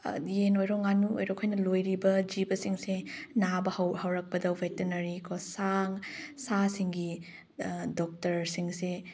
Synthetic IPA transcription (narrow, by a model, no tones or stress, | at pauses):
jenojɾɔŋanuo̰jɾokʰojnɐlojɾibɐd͡ʒibɐsiŋsenabɐhɐwhɐwɾɐk̚pɐdɐwvetenɐɾikʰosaŋsasiŋɡi | dɔk̚tɐɾsiŋse